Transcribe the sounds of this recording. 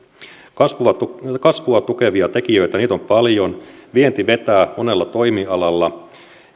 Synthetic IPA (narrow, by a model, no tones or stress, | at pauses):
kɑsʋuʋɑkɑsʋuɑt̪uke̞ʋiɑt̪e̞kijø̞it̪æniːt̪o̞mpɑljo̞nʋient̪iʋe̞t̪æːmone̞lːɑt̪o̞jmiɑlɑlːɑ